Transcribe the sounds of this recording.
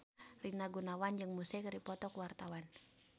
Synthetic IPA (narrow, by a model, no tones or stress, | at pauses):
rinaɡunawand͡ʒɨŋmusɛkaɾipɔt̪ɔkuwart̪awan